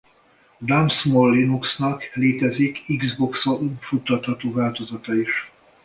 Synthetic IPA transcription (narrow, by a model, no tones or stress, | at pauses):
d̪amsmolːinuksnɒkleːt̪ɛzikiɡzboksounfut̪ːɒt̪hɒt̪oːvaːlt̪o̞zɒt̪ɒiʃ